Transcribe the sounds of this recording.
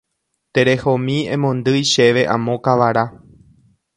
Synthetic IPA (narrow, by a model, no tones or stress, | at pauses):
t̪e̞ɾe̞homĩẽmõnd̪ɨjʃe̞ʋe̞ʔã̰mõ̞kaʋaɾa